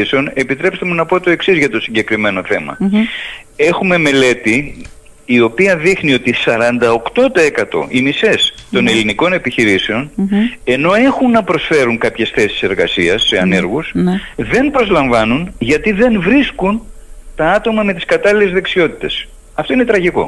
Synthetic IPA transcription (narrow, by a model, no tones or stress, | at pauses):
seo̞ne̞pit̪ɾe̞pst̪e̞munɐpo̞t̪o̞e̞ksizʝɐt̪o̞siɲɟe̞kɾime̞no̞θe̞mɐ̰ | e̞xume̞me̞le̞t̪iː | o̞piɐðixnio̞t̪isɐɾɐnd̪ɐo̞kt̪o̞t̪oekɐt̪o̞̰ʔimise̞st̪o̞ne̞liniko̞ne̞piçiɾiseo̞ne̞no̞e̞xunːɐpɾo̞sfe̞ɾuŋkɐpçe̞sθe̞si̥se̞ɾɣɐsiɐsːeɐne̞ɾɣusðe̞npɾo̞zlɐɱvɐnunʝɐt̪iðe̞nvɾiskunt̪ɐɐt̪o̞mɐme̞t̪i̥skɐt̪ɐlilezðe̞ksio̞t̪i̥t̪e̞s | ɐft̪o̞ine̞t̪ɾɐʝiko̞̰